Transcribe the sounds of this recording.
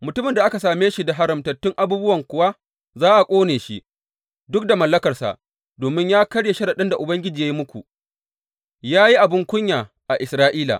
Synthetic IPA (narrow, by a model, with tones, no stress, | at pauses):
mʊ˨tʊ˦mɪ˨nda˨ʔa˦ka˨saː˨meː˦ʃi˨da˨ɦa˦ɾɪ˨mtɐ˨tːʊ˦ŋʔa˨buː˦bʊ˦wɐ˨ŋkʷʊ˨wa˦ | zaː˦ʔa˨kʷʼoː˦neː˨ʃi˦ʔ | dʊ˦k̚da˨mɐ˨lːɐ˦kɐ˨rsa̰˨ʔ | doː˨mɪ˦ɲjaː˦kɐ˦ɽje˨ʃɐ˦da˨ɗɪ˦nda˨ʔʊ˨bɐ˦ŋɡʲɪ˦d͡ʒiː˨ja˦ji˦mʊ˦kʷu˨ | jaː˦ji˦ʔa˨bɪ˦ŋkʷʊ˦ɲjaː˨ | ʔa˨ʔɪ˨sɾaː˦ʔiː˦la̰˨